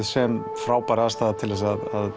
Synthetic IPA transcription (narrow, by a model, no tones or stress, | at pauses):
ðsɛm | fɾaːwpaɾaðast̪aðat̪ʰɪlvɛsaðað